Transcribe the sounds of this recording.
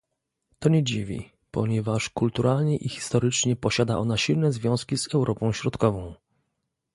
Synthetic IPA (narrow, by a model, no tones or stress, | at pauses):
t̪ɔɲɛd͡ʑivʲḭ | pɔɲɛvaʂkult̪uɾʔalɲɛʔixʲi̥st̪ɔɾɘt͡ʂɲɛpɔɕad̪a̰ʔɔnaɕilnɛzvʲjɔ̃w̃skʲizɛwɾʔɔpɔ̃w̃ɕɾɔt̪kɔvɔ̃w̃